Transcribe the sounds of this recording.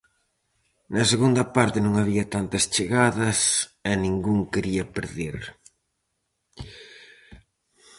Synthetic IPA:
nɐseɣund̪ɐpaɾt̪ɪnũŋaβ̞iɐt̪ant̪ɐst͡ʃeɣaðɐsɛnĩŋɡuŋkeɾiɐpeɾðiɾ

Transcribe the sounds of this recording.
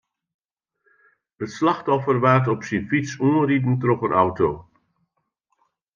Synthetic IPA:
ətslɑxtɔfərʋartɔpsinfitsuəridn̩trɔpənʔawtoː

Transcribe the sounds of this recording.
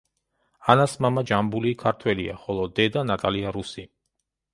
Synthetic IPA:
anasmamad͡ʒambulikʰaɾt̪ʰwɛlia̰χɔlˠɔd̪ɛd̪anat̪ʼaliaɾusi

